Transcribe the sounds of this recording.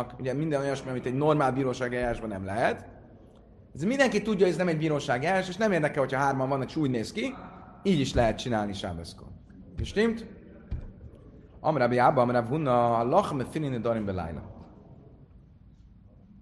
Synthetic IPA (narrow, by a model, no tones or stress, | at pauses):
kuɟɛmind̪ɛno̞jɒnʃmiɒmit̪ɛɟnormaːlbiːɾoːʃaːɡiaɾaːʒbɒnɛmlɛɦɛt̪ | ɛzeɾmind̪ɛŋkit̪ːuɟːɒoɟɛznɛmɛɟ̚biːɾoːʃaːɡiaɾaːʃeːʃnɛmeːrd̪ɛkɛlhocʰhɒɦaːrmɒɱvɒnːɒkeːʃuːɟneːskiiːɟiʃlɛɦɛt̪̚t͡ʃinaːlniʃa̰bɛsko̰ | eʃt̪imt̪ | ɒ̰mɾabiabɒmɾabɦunːɒlɒxmɛfiɾinid̪ɒɾimbɛla̰jlɔ̰